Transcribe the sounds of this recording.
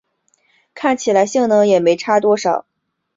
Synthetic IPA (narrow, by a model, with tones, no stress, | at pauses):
kʰa˥˩nt͡ɕʰi˨˩la˧˥ɪɕi˥˩ŋnɤ˧˥ŋjɛ˨˩me˧˥ɪʈ͡ʂʰa˥t̪wɔ˥ʂɑ˨˩˦ʊ